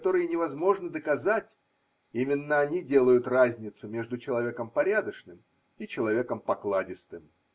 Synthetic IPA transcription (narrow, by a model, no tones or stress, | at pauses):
t̪o̞ɾɨjənʲɪvɐzmo̞ʐnəd̪əkɐzatʲ | imʲɪnːəɐnʲidʲe̞lˠəjʊt̪razʲnʲɪt̪sʊmʲe̞ʐd̪ʊt͡ɕɪlˠɐvʲe̞kəmpɐɾʲad̪əʂnɨm | it͡ɕɪlˠɐvʲe̞kəmpɐklˠadʲɪst̪ɨm